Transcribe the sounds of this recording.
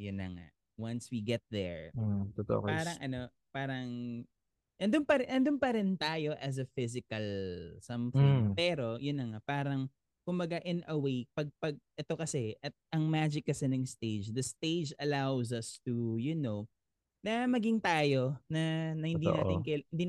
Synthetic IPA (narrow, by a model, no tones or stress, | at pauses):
jʊnːɐ̰ŋa̰ | wɐnswiɡɛt̪̚ðɛɹt̪ot̪o̰ʔpaːɾɐŋʔɐno̞ | paːɾɐŋ | ʔɐnd̪ʊnpɐɾɪʔɐnd̪ʊnpɐɾɪnt̪aːjo̞ʔɐs̬ɐfɪzɪkɐlsɐmfɪŋpɛːɾo̞jʊnːɐŋaʔpaːɾɐŋ | kʊmbɐɡaʔɪnɐwejpɐɡ̚pɐɡ̚ʔɛt̪o̞kɐsɛʔɐt̪̚ʔɐŋmaːd͡ʒɪkːɐsɛnɐŋst̪eɪd͡ʒd̪ɐst̪eɪd͡ʒɐlawzɐst̪ujʊno | nɐmɐɡɪŋt̪aːjo̞nɐnɐhɪnd̪in̰ʔaːt̪ɪŋkɐɪnd̪i